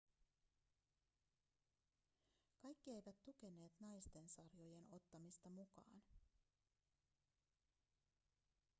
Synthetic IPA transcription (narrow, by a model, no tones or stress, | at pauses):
kɑjkːie̞jʋæt̪ːuk̟e̞ne̞ːt̪nɑjst̪e̞nsɑrjo̞je̞no̞t̪ːɑmist̪ɑmukɑ̰ːn